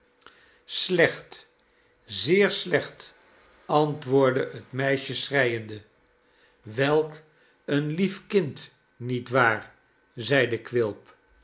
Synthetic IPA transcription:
slɛχt | zɪːɹslɛχt | ɑntʋʊːɹdəətmɛjʃəsrɛjəndə | ʋɛlˠk | ənlifkɪnt | nitʋaːɹ | zɛjdəkʋɪlˠp

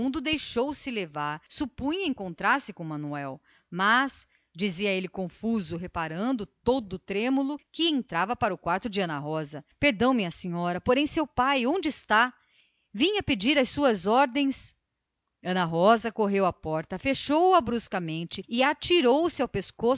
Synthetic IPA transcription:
ũnd̪ʊd̪ejʃowsɪlevaɾsupũj̃ɐẽŋkõnt̪ɾaɾsɪkõmɐ̃nuɛw | mɐs | d͡ʒiziɐelɪkõfuzʊɦepaɾɐ̃nd̪ʊt̪od̪ʊt̪ɾẽmulʊkɪẽnt̪ɾavɐpaɾɐʊkwaɾt̪ʊd͡ʒɪɐ̃nɐɦɔzɐpeɾd̪ɐ̃w̃mɪɐsĩɲɔɾɐpoɾẽj̃sewpajõd͡ʒɪɪst̪a | vĩɲɐpɪd͡ʒiɾɐjsuɐzɔɾd̪ẽj̃s | ɐ̃nɐɦɔzɐkoɦewɐpɔɾt̪ɐfeʃowɐbɾuskɐmẽnt͡ʃɪɪat͡ʃiɾowʊsɪawpesko

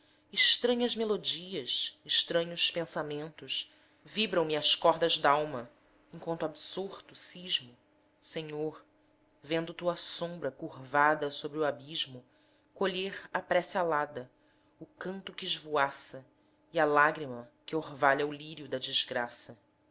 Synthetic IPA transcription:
ɪʃt̪ɾɐ̃ɲɐzmelod͡ʒiɐsɪʃt̪ɾɐ̃ɲʊspẽsamẽnt̪ʊʃ | vibɾɐ̃w̃mɪɐskɔɦd̪ɐʒd̪awmɐ | ẽŋ̃kwɐ̃nt̪absoɾt̪ʊsiʒmʊ | sẽɲoɾ | vẽnd̪ʊt̪uɐsõmbɾɐkuɾvad̪ɐsobɾɪuabiʒmʊ | koʎeɾapɾɛsialad̪ɐ | ʊkɐ̃nt̪ʊkɪːʒvuasɐ | iɐlaɡɾimɐkɪohvaʎɐuliɾjʊd̪ɐd͡ʒizɡɾasɐ

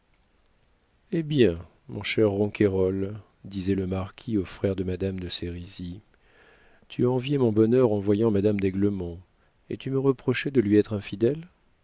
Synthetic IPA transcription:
ebjɛ̃ | mɔ̰̃ʃɛʁːɑ̃kʰʲeʁɔl | d̪izɛləmaʁkʲʰiofχɛʁd̪əmad̪amd̪əseʁizi | t̪ʰyaɑ̃vjemɔ̃bɔnœʁɑ̃vwajɑ̃mad̪amd̪ɛɡləmɔ̃ | ḛt̪yməʁəpχɔʃɛd̪əlɥiɛt̪χɛ̃fid̪ɛl

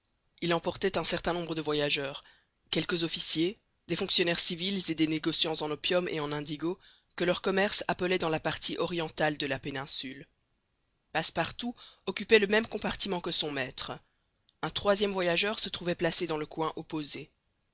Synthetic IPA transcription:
ilɑ̃pɔʁt̪ɛt̪ɛ̃sɛʁt̪ɛ̃nɔ̃bʁəd̪əvwajaʒœːʁ | kʲɛlkəzɔfisje | d̪efɔ̃ŋksjɔnɛʁsivilzed̪eneɡɔsjɑ̃zɑ̃nɔpjɔmḛɑ̃nɛ̃d̪iɡo | kəlœʁkɔmɛʁsapəlɛd̪ɑ̃lapaʁt̪ʰiʔɔʁjɑ̃t̪ald̪əlapenɛ̃syl | paspaʁt̪uɔkʲypɛləmɛmkɔ̃paʁt̪imɑ̃kəsɔ̃mɛt̪χə | ɛ̃t̪χwazjɛmvwajaʒœʁsət̪χuvɛplased̪ɑ̃ləkwɛ̃ʔɔpoze

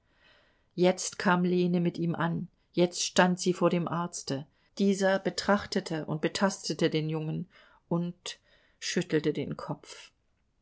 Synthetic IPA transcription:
jɛt͡stkʰaːmleːnəmɪtiːmʔan | jɛt͡stʃtantz̥iːfoːɐɾeːmʔaɐt͡stə | d̥iːzɐb̥ətʁ̥aχtətʰəʔʊ̰nt̚b̥ətʰastətədeːnjʊŋən | ʔʊnt | ʃʏtl̩tədḛːnkʰɔpp͡f

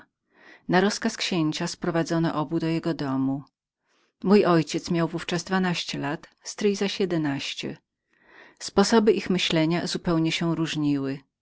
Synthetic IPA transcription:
naɾɔskaskɕeɲt͡ɕaspɾɔvad̪zɔnɔ̰ʔɔbud̪ɔjɛɡɔd̪ɔmu | mujɔjt͡ɕɛt̪smʲjawvuft͡ʂazd̪vanaɕt͡ɕɛlat̪st̪ɾɘjzaɕjɛd̪ɛnaɕt͡ɕɛ̰ | spɔsɔbɘʔixmɘɕlɛɲazupɛwɲɛɕɛ̃ɾuʐɲiwɘ

